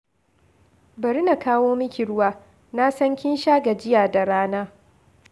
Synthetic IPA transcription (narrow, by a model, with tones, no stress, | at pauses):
bɐ˨ɾɪ˦na˨kaː˦woː˦mɪ˦kʲɪ˨ɽʊ˦waː˦ | na˦sɐ˦ŋkʲɪ˦nʃaː˦ɡa˨d͡ʒɪ˦jaː˨da˨ɽaː˦naː˦